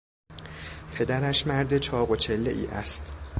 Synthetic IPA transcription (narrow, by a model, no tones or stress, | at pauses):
pʰe̞d̪æɾæʃmæɾd̪e̞t͡ʃʰɒːɣo̞t͡ʃʰe̞lːe̞̰ʔḭːʔæ̰st̪